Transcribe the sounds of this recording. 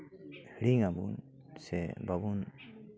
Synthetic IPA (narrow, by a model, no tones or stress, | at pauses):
hiɽiŋabṵn | sɛ̰babun